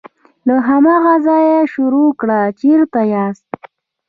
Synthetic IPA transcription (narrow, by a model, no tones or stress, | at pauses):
laɦamaɣazɑjeʃʊɾokɽat͡ʃeɾt̪ajɑst̪̚